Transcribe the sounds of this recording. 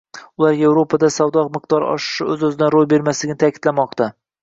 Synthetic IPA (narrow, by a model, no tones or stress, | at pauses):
ʊlˠaɾje̞vɾo̞pʰad̪asawd̪ɒqmɨq̚t̪ɒɾɒ̰ʃɪ̥ʃɪɵzɵzɪd̪anɾojbe̞ɾmaslɪɡʲɪnɪt̪ʰakʲʰɪd̪̥lamɒq̚t̪a